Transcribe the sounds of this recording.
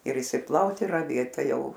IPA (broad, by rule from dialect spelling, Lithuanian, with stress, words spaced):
ɪr ɪʃʲsʲɪˈplˠɐʊt ɪr rɐˈʋʲeːt ˈtɐɪ ˈjɛʊ